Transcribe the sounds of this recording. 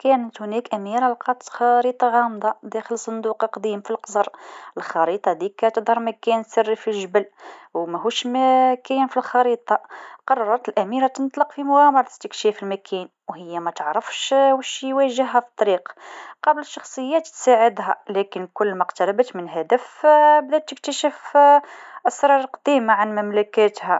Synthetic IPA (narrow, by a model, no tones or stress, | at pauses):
kænət̪hʊnækʔæmiɾəlqɑt̪xɑɾit̪ˤɑɣɑmd̪ˤɑd̪æxəlsˤːɑnd̪uqlqd̪imfilqzˤɑɾˤəlxɑɾit̪ˤɑd̪ikːæt̪əd̪ˤhɑɾˤmækænsərːifilʒəbəlwmæɦuʃmækæjnfilxɑɾit̪ˤɑqɑrˤːɑɑɾɑt̪əlʔæmiɾæt̪ənt̪ˤlɑqfimʊɣæmɑɾˤɑt̪ə̥t̪ːəkʃæfilmækʰæn | whəjːæmæt̪əʕɾəfʃwæʃjwæʒəɦːæfi̥t̪ˤːɑɾiqqɑbələʃːɑxsˤəjːæt̪t̪sæʕəd̪hælækənkʊlːmæqt̪ɑɾɑbət̪mənɦæd̪əfbd̪æd̪̚t̪ːək̚t̪æʃəf | ʔɑsɾˤɑɾˤɑqd̪̥imaʕanmæmlækæt̪hæ